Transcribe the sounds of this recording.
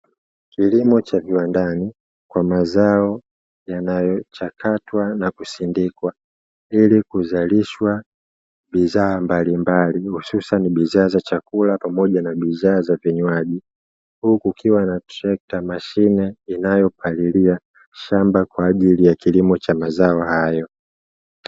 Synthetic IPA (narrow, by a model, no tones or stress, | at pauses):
kilimɔt͡ʃaviwandani | kwamazaɔ | janajɔt͡ʃakatwanakusindikwa | ilikuzaliʃwa | ɓizaːmbalimbalihususaniɓizaːzat͡ʃakulapamɔʄanaɓizaːzavɛɲwaʄi | hukukʰiwanatɾɛk̚tamaʃinɛinajɔpʰalilia | ʃambakwaːʄilijakilimɔt͡ʃamazaɔhajɔ